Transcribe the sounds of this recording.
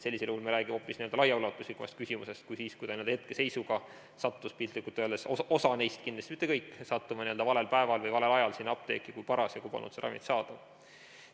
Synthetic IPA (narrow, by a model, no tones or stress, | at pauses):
se̞lʲːiselulmeɾæːɡ̥imopːˑisnieø̞ld̪̥ɑlɑjɑulɑt̪ːˑuslikːˑumɑ̰st̪kysimṵse̞st̪̚kujsiːskuj̪ɑnied̪het̪̚kese̞jsuɡ̥ɑ | sɑt̪ːˑuspilt̪likːˑult̪ːˑøld̪esoo̞sɑne̞jst̪̚kind̪lɑst̪imit̪ːe̞kɤjkːsɑt̪ːumɑnie̞ld̪ɑvɑle̞lpæe̞vɑlvɤjvɑle̞lɑjɑlsinːɑp̚t̪e̞ːkːˑikujpɑɾɑsjɑkupɑ̰lnːṵt̪seɾɑ̰mḭt̪sɑːd̪̥ɑ